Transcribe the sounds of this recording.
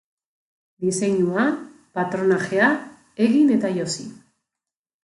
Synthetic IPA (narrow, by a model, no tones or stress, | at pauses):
d̪ise̞ɲua | pat̪ɾo̞naxea | eɣine̞t̪ajo̞si